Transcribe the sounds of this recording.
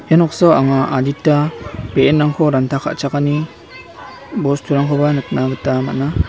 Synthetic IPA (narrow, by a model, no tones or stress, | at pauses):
janɔksɔaŋaʔaditːapeenːaŋkʰɔɾantʰakʰa̰ʔt͡ʃakani | bɔstʰuɾaŋkʰɔbanɯt̚naɡɯtama̰ʔna